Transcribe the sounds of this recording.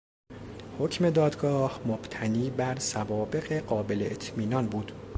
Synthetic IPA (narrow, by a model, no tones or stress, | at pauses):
hocʰme̞d̪ɒːd̪ɡɒːhmob̥t̪ʰæniːbæɾsævɒːbe̞ɣe̞ɢɒːbe̞leʔet̪ʰmiːnɒːnbuːd̪̥